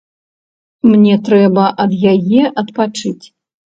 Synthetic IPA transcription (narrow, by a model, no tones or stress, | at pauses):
mnʲɛt̪ɾɛbɐʔɐd̪jajɛʔɐt̪pat͡ʂɨt͡sʲ